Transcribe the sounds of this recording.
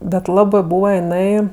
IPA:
bʲɛt ˈlˠɑːbɜ ˈbuːʋɐ jɪˈnɐɪ

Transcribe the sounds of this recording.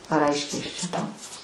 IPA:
ɐr ˈɐɪʃʲkʲɛɪ ˈɐʃ t͡ʃʲɛ ˈtɐʊ

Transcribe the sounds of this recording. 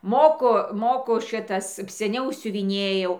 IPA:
ˈmoːkʊ ˈmoːkʊ ˈʃʲɪtɐs sʲɛˈnʲɛʊ sʲʊʋʲɪˈnʲeːjɛʊ

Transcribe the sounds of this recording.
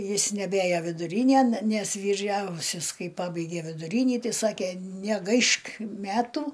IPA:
ˈjɪs nʲɛˈbʲeːjoː ʋʲɪdʊˈrʲiːnʲeːn nʲɛs ʋʲiːˈrʲɛʊsʲɛs ˈkɐɪ ˈpɑːbɐɪɡʲeː ʋʲɪdʊˈrʲiːnʲiː ˈtɐɪ ˈsɑːkʲeː nʲɛˈɡɐɪʃk ˈmʲæːtʊ

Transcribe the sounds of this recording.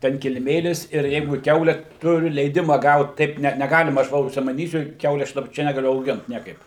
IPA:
ˈtʲɛn kʲɪlʲɪˈmʲeːlʲɪs ɪr ˈjɛɪɡʊ ˈkʲɛʊlʲɛ ˈtʊrʲʊ lʲɛɪˈdʲɪmɐ ˈɡɐʊt tɐɪp ˈnʲɛ nʲɛˈɡɑːlʲɪmɐ ɐʃ ˈʋɐ ʊʃʲsʲɪmɐˈnʲiːsʲʊ ˈkʲɛʊlʲɛ ɐʃ ˈt͡ʃʲɛ nʲɛɡɐˈlʲʊ ɐʊˈɡʲɪnt ˈnʲiɛkɐɪp

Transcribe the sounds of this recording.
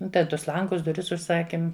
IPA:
ˈdɐ ˈtʊs ˈlˠɐŋɡʊs dʊˈrʲɪs ʊʃˈsɑːkʲɪm

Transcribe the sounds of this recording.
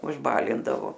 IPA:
ʊʒˈbɑːlʲɪndɐʋoː

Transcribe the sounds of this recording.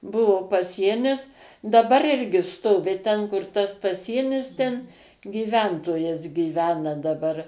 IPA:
ˈbʊʋoː pɐˈsʲiɛnʲɪs dɐˈbɐr ˈɪrʲɡʲɪ ˈstoːʋʲɪ ˈtʲɛn kʊr ˈtɐs pɐˈsʲiɛnʲɪs ˈtʲɛn ɡʲiːˈʋʲɛntoːjɛs ɡʲɪˈʋʲæːnɐ dɐˈbɐr

